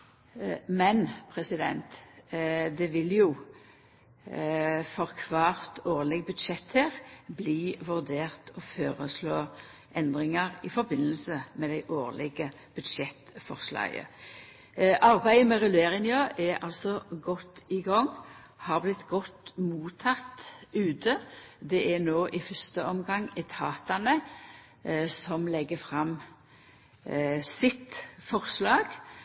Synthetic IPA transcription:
mɛnpʰʁɛsɪd̪ɛ̰nt̪ | d̪ɛʋɪljʊ | fɔʁkʰʋɑːʁt̪oːʁlɛɡbʉd̪ʃɛt̪heːʁbliːʋʉʁd̪eːʁt̪ʰɔføːɾəsloː | ʔɛnd̪ʁɪŋɑʁɪfɔɾbɪnːəlsəmɛd̪æɪʔoːʁlɪɡə | b̥ʉd̪ʃɛt̪fɔ̰ʁslɑ̰ːɡə̰ | ʔɑʁbæɪəmɛʁɛlʉeːɾɪŋjøːʔɛɑ̰lsɔɡɔt̪ːɪɡɑŋ | hɑːʁblɪt̪ːɡɔt̪ːmuːt̪ʰːɑt̪ʉːt̪ʰəd̪ɛʔænoːʔɪfœst̪əɔmɡɑŋːɛt̪ʰɑːt̪ɑnə | sɔmlɛɡːəfʁɑm | sɪt̪fɔʁslɑːɡ̥

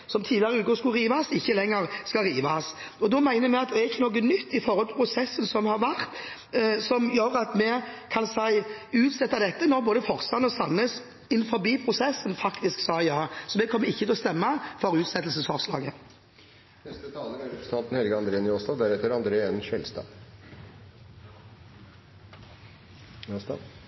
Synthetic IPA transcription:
sɔmt̪ʰiːlɪəʁəʉːkʊskʉʁiːʋɑsɪçːəlɛŋːəʁskɑʁiːʋɑs | ɔd̪ɔmæɪnəɾmɛɪɑt̪̚d̪ɛæɾɪçːənɔːk̬ːənʏt̪ːɪfɔʁhɔlt̪ɪlpʰɾʊsɛsːənsɔmhɑɾʋæʁt̪ | sɔmjøːɾɑt̪mɛkʰɑnsæɪʉːt̪sɛt̪ːɑd̪ɛt̪ːənɔɾboːd̪əfɔɾst̪ɑnɔsɑnːəs | ɪnːfɔɾbiːpʰɾʊsɛsːənfɑkt̪ɪsksɑːjɑːsɔmɛkʰɔmːəɪçːət̪ʰɛɔst̪ɛmːəfɔɾʉːt̪sɛt̪l̩səsɑʋslɑ̰ːɡə | nɛst̪ət̪ʰɑːləɾæɾɛst̪ʰɑːlt̪n̩hɛlɡɑnd̪ɾeːənjoːst̪ɑd̪æɾɛt̪ːəɾɑnd̪ɾeːɛnʃɛlst̪ɑ̰ː | ost̪ɑ̰

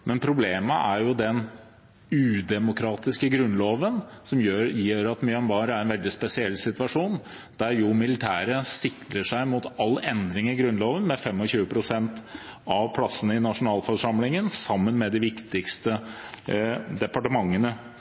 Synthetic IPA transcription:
mɛnpʰɾʊbleːməʔæɾjʊd̪ɛn | ʉːd̪ɛmʊkʰɾɑːt̪ɪskəɡɾʉnːloːʋənsɔmjøjiːɾɑt̪mʏɑnbɑːɾəæɾɛnʋɛld̪ɪspɛsɪɛlːsɪt̪ʋɑʂuːn | d̪̥æɾjʊmɪlɪt̪ʰæːɾəsɪkləʂæɪmʊt̪ɑlːɛnd̪ɾɪŋɪɡɾʉnloːʋənmɛfɛmɔçʉːəpʰɾʊsɛnt̪ɑʋpʰlɑsːənəɪnɑʂʊnɑːlfɔʂɑmlɪŋənsɑmːənmɛd̪ɪʋɪkt̪ɪkst̪ə | d̪ɛpɑʈəmɑŋːənə

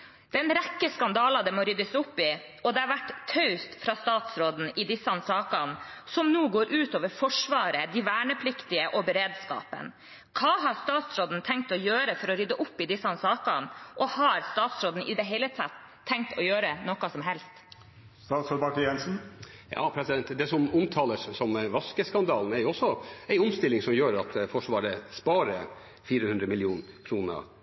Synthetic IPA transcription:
d̪̥ɛnɾɛkːəskɑnd̪ɑːlɑd̪ɛmɔːɾʏd̪əsʊpːɪ | ɔd̪ɛɑɾʋæʈːt̪ʰœʉst̪fɾɑst̪ɑːt̪sɾoːd̪n̩ɪd̪ɪsɑnsɑːkɑnsɔmnuːɡoːɾʔʉːt̪oːʋəɾfɔʂʋɑːɾəd̪ɪʋæːɳəpʰlɪkt̪ɪəʔɔbɛɾeːd̪skɑ̰ːpə̰n | kʰɑːɦɑɾst̪ɑːt̪sɾoːd̪n̩t̪ʰɛŋk̚t̪ɔjøːɾəfɔɾɔɾʏd̪ːəʔʊpːɪd̪ɪsɑnsɑːkɑnʔɔhɑɾst̪ɑːt̪sɾoːd̪n̩ʔɪd̪ɛɦɛɪlət̪ʰɑt̪ʰːɛŋk̚t̪ɔjøːɾənɔkɑsɔmɦɛlst̪ | st̪ɑːt̪sɔbɑʈəjɛnsn̩jɑ̰ːpʰɾɛsɪd̪ɛnt̪d̪ɛsɔmʊmt̪ʰɑːləssɔmʋɑskəskɑnd̪ɑːln̩æɾjʊɔsːɔæɪʊmst̪ɪlːɪŋsɔmjøːɾɑt̪fɔʂʋɑːɾəspɑːɾə | fiːɾəhʉnd̪ɾəmɪljɪuːnkʰɾuːnə̰

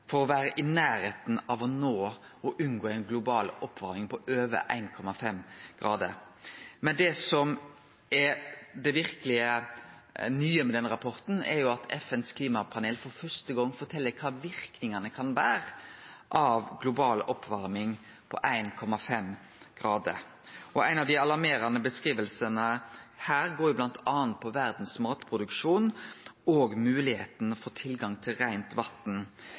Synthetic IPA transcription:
fɔɾɔʋæːɾəʔɪnæːɾeːt̪n̩ɑʋɔnoː | ɔʔʉnɡoːæɪnɡlʊbɑːlɔpːʋɑɾmɪŋpɔʔøːʋə̰ʔæ̰ɪnkʰɔmɑfɛmɡ̥ɾɑ̰ːd̪ə̰ɾmɛnd̪ɛsɔm | ɛd̪ɛʋɪɾkəlɪə | nyːəmɛd̪ɛnɾɑpʰɔɾt̪n̩ɛ̰ɾjʊɑt̪ʰɛfɛnskʰliːmɑpʰɑneːlfɔɾfœst̪əɡɔŋːfɔʈ̪ʰɛlːəkʰɑːʋɪɾknɪŋɑnəkʰɑnʋæːɾʔɑʋɡlʊbɑːlʔɔpʰːʋɑɾmɪŋ | pʰɔ̰ʔæɪnkʰɔmɑfɛm | ɡ̥ɾɑːd̪ə̰ɾ | ʔɔæɪnɑʋd̪ɪɑlɑɾmeːɾɑnəbəskʁiːʋəlsənəhæːɾɡoːɾjʊblɑnt̪ʰɑːɑnt̪̚pʰɔʋæɾd̪n̩smɑːt̪pʰʁʊd̪ʉkʂuːnoːɡmʉːlɪheːt̪n̩ɔfoːt̪ʰɪlɡɑŋt̪ʰɪlɾæɪnt̪ʋɑt̪n̩

